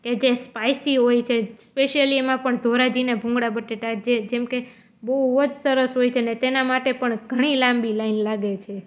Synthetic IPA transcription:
ked͡ʒespajsiɦojt͡ʃʰespeʃijəliemãpəɳd̪ʱoɾad͡ʒinebʱũŋɡɽabəʈeʈ̪ad͡ʒed͡ʒɛmke | bəuod͡ʒsəɾəsɦojt͡ʃʰenet̪enamaʈepəɳɡʱəɽ̃ilãmbilainlaɡet͡ʃʰe

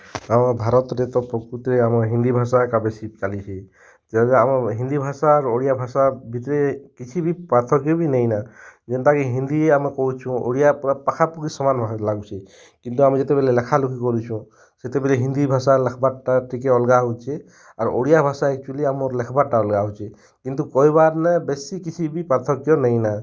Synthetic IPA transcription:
amɔbʱaɾɔt̪ɾɛt̪ɔpɔkut̪ɾɛamɔɦind̪ibʱasakabesikalisi | t̪ɛzɛamɔɦind̪ibʱasaːɹuoɹijabʱasabʱit̪ɔɾɛkit͡ʃʰibipat̪ʰɔkibinajnazɛnt̪akiɦind̪ieamɔkoɦut͡ʃʰũo̰ɹijapapakʰapukisɔmanbʱalaɡɔsʰi | kint̪uamizɛt̪ɛbɛlɛlɛkʰalukʰikɔɾisʰũ | sɛt̪ɛbɛlɛɦind̪ibʱasalɛkʰbatatɹikɛɔlɡaɦujt͡ʃʰɛ | aɹuʔoɽijabʱasaɛk̚t͡ʃualiamɔɾlɛkʰbaʈaɔlɡaɦɔjt͡ʃʰɛ | kint̪ukɔjbaɾnɛbesikit͡ʃʰibipat̪ʰɔkjɔnajna

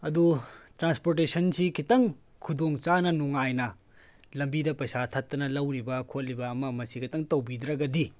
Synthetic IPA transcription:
ɐdutɾanspoɾtesɐnsikʰitɐŋ | kʰudoŋt͡ʃanɐnuŋajnɐ | lɐmbidɐpɐjsatʰɐtːɐnɐlɐwɾibɐkʰot̚libɐːmɐmɐsikʰɐtɐŋtɐwbidɾɐɡɐdi

